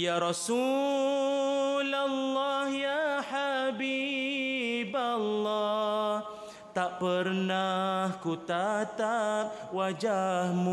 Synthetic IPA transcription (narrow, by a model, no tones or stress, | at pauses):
jaɾɔsu | lalːɑhjaħabi | balːɑh | t̪aʔpərnahkut̪at̪ap̚wad͡ʒahmu